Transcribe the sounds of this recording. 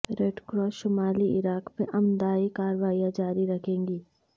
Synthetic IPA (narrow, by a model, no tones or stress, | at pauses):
ɾeːɖkɾɔːsʃʊmaːliɪɾaːkmẽʔɐmd̪aːikaːɾʋaːijãd͡ʒaːɾiɾɐkʰẽːŋɡiː